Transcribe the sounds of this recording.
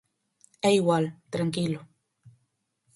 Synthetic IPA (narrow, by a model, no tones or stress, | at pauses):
eiɣwalt̪ɾaŋkilo